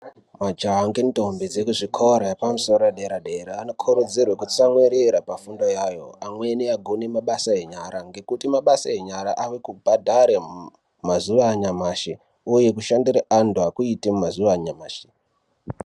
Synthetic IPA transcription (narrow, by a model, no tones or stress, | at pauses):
mad͡ʒaaŋɡento̞mbid͡zekuʐikʰoɾaepamuso̞roaɗeɾaɗe̞ɾaːnokʰoɾod͡zirwekut͡samweɾeɾapafundo̞jajo̞̰amwe̞niaɡʱone̞maɓasae̞ɲaɾaŋɡe̞kutimaɓasae̞ɲaɾaʔaʋekubʱadʱaɾe | mazuʋaːɲamaːʃe | uje̞kuʃandiɾaʔanduakuitemumazuʋaːɲamaːʃe̥